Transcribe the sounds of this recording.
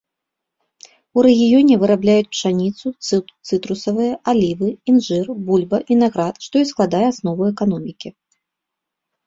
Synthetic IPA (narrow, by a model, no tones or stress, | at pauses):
uɾɛɣʲijɔnʲɛvɨɾablʲajut͡sʲpʂanʲit̪sut̪sɨt̪ɾusɐvɨjɐʔalʲivɨinʐɨrbulʲbɐvinaɣɾat̪ʂt̪ɔisklˠad̪ajɛasnɔvuɛkanɔmʲikʲi